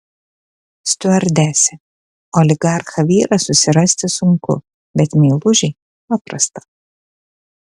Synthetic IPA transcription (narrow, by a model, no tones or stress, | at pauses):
sʲt̪ʲʊɐɾʲd̪ʲæːsʲɪ | ɔlʲɪɡɑˑɾxɐʋʲiːɾɐsʊsʲɪɾɐsʲt̪ʲɪsʊŋkʊ̰ | bʲɛt̪mʲiːlˠʊʒʲɛɪ | pɑːpɾɐst̪ɐ̥